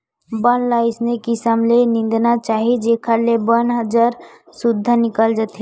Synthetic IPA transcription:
bənlaɪsnekisəmlenɪ̃nd̪nat͡ʃaːɦid͡ʒekʰalebənɦəd͡ʒaɾ | sʊd̪ʱːənɪkəld͡ʒat̪ɦɛ

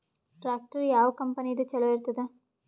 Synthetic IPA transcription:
ʈɾaːk̚ʈɐɾjaːʋɐkɐmpɐnid̪ut͡ʃɛlɐʋiɾt̪ɐd̪e

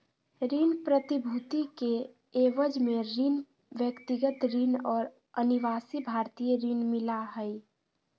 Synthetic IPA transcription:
ɾinpɾət̪ibʱut̪ike | eːʋəd͡ʒmeɾin | ʋjəkt̪iɡət̪ɾinɔːɾ | əniʋaːsibʱaːɾt̪ijəɾinmɪlaɦəj

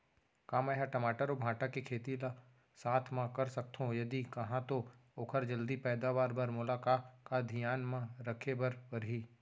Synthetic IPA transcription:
kãmɛɦaʈɐmaːʈəɾobʱãːʈakekʰeːt̪ila | saːt̪ʰmãkɐɾsɐk̚t̪ʰõjɐd̪ikɐɦãt̪ooːkʰəɾd͡ʒəld̪ipɛːd̪aʋaːɾbɐɾmʊlaːkaːkad̪ʱɪjaːnmãɾɐkʰebɐɾpɐɾɦiː

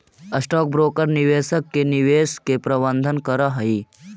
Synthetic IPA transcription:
ɐsʈɔːk̚bɾoːkəɾnɪʋeːsəkːenɪʋeːskepɾɐbə̃nd̪ʱənkɐɾaɦɐi

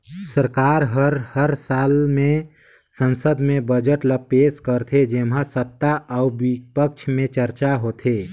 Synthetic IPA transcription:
səɾkaɾɦəɾhəɾsalmẽ | sə̃nsəd̪mẽbəd͡ʒəʈləpeskəɾt̪ʰed͡ʒemɦãsəp̚t̪ːaʔəʊbipək̚t͡ʃʰmẽt͡ʃəɾt͡ʃaɦot̪ʰe

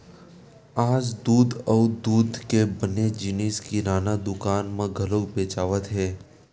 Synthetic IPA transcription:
aːd͡ʒd̪uːd̪əʋd̪uːd̪ʱkebəned͡ʒiniskiɾaːnad̪ʊkanmãɡʱəlok̚bet͡ʃaʋət̪ɦe

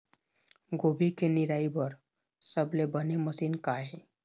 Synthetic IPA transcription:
ɡoːbikenɪɾaːibəɾ | səblebəneməsiːnkaɦɛː

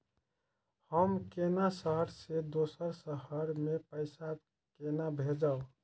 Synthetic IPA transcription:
həmkenasəɦəɾsed̪osəɾsəɦəɾmepəɪsa | kenabʱed͡ʒao

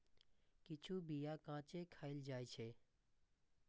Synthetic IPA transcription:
kɪt͡ʃʰubijakãːt͡ʃekʰaːɪld͡ʒaːet͡ʃʰeː

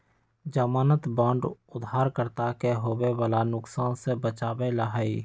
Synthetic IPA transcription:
d͡ʒəmaːnət̪bãːɳɖʊd̪ʱɦaːɾkəɾt̪akeɦoːwebaːlanʊksaːnsebət͡ʃaːbeləɦaːi

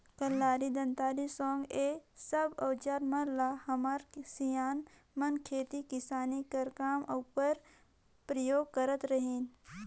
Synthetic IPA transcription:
kəlːaːɾid̪ɐ̃nt̪aːlisɔːŋɡeːsəbɔːd͡ʒaːɾmɐɾlaːhɐmaɾsijaːn | mɐnkʰeːt̪ikɪsaːnikɐɾkaːmoːpəɾ | pɾəjoːɡ̚kəɾət̪ɾəɦeːn

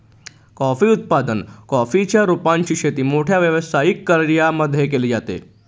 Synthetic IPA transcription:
kɔfiːut̪̚pad̪ənkɔfit͡ɕjaɾupaɲt͡ɕiːɕʰet̪iːmoʈʰjaʋjəʋəsajikːəɾɾijaməd̪ʱːjek̬eliːd͡zat̪ḛ

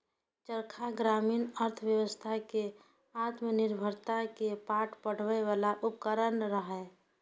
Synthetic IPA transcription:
t͡ʃəɾkʰaɡɾaːmiːnəɾt̪ʰʋjəʋəst̪ʰake | at̪ʰmenɪɾbʱəɾt̪akepaːʈʰpəɽ̤ʋɛʋalaʔʊpkəɾənɾəɦɛ

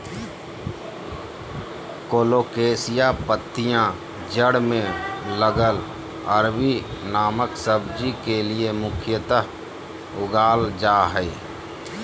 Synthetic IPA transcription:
koːloːkeːsɪjapət̪ːɪjã | d͡ʒəɽmẽləɡəl | əɾbinaːməksəbd͡ʒikeliemʊkʰjət̪ə | ʊɡaːld͡ʒaːɦɛi

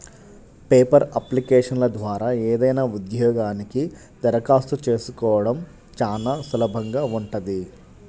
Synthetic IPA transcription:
peːpɐɾɐplikɛːʂɐnlɐd̪ʋaːɾaːɛːd̪ɐjnaːud̪jɔːɡaːniki | d̪̥ɐɾɐkaːst̪ut͡ʃe̞ːsukɔːʋɐɽɐm | t͡ʃaːnaːsulɐbʱɐŋɡaːuɳʈɐd̪i

